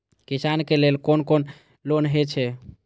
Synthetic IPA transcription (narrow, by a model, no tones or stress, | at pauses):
kisankelelkonkon | lonɦet͡ʃʰɛ